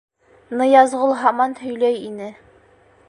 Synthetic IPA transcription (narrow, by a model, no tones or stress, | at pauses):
nɤjɑzʁɤlˠɦɑmɑnhɵ̆jlæjinɘ